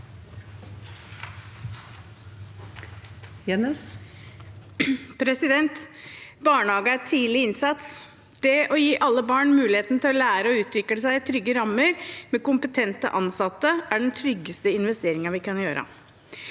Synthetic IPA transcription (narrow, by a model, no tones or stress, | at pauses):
jɛnəs | pʰɾɛsɪd̪ɛnt̪ | bɑːɳəhɑːɡəæʈʰiːlɪɪnsɑt̪s | d̪̥ɛʔɔjiːʔɑlːəbɑːɳmʉːlɪheːt̪nt̪ʰɪlɔlæːɾəɔʉːt̪ʰʋɪkləsæɪt̪ʰɾʏɡːəɾɑmːəɾmɛkʊmpət̪ʰɛnt̪ə̰ʔɑnsɑt̪ːəʔæɖɛnt̪ʰɾʏɡːəst̪əɪnʋɛst̪eːɾɪŋəʋɪkɑnjøːɾə̰